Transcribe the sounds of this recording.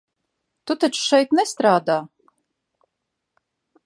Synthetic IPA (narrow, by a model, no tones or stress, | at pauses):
t̪ut̪at͡ʃʃɛjt̪nɛst̪ɾaːd̪aː